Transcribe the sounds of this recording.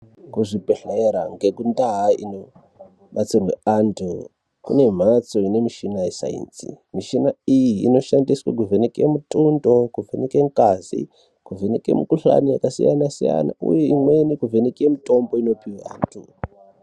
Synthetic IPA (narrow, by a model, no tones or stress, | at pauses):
kuʐipeɬeɾa̰ŋɡe̞kundaɦaḭno̞ | ɓat͡sirweantʰu | kṵne̞m̤at͡so̞ine̞miʃinajesa̰ḭnsḭ | miʃinaijḭːno̞ʃandiswa̰k̬uvʱenekemutʼundo̞kuvenekeŋkazḭ | kuvʱenekḛmukuɬa̰nijakasḭjanasija̰na̰ṵjeimwe̞nikuvʱenekemito̞mbo̞ino̞piwa̰ːntʰu